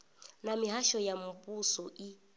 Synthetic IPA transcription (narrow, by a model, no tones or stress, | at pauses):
namiɦaʃɔjamʊpʼusɔʔi